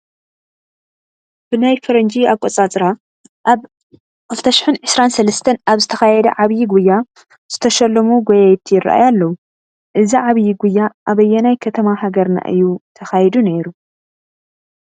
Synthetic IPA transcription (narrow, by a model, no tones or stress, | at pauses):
b̥ɨnajfɐɾɐnd͡ʒiaβkʼot͡sʼat͡sʼɾa | ʔaβ | kʰɨlt̪ʰɐʃɪ̥ħɨnʕɨsɾansɐlɐst̪ʰɐnaβzɨt̪ʰɐxajɛd̪ɐ̰ʕaβjiɡujːa | z̥ɨt̪ʰɐʃɐlːɐmuɡojajɛt̪ʰijɪra̰ʔa̰jalːɐwu | ʔɨziʕaβjiɡujːaʔaβɐjːɛnajkʰɐt̪ʰɐmahaɡɐɾna̰ʔɨ̰jːut̪ʰɐxajɛd̪uneɾu